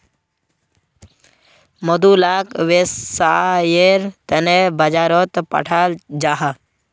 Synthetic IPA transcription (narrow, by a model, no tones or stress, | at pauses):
mɔd̪ulaːkʋessajeɾt̪ənebəd͡ʒaːɾɔt̪pa̰ʈʰald͡ʒaːɦa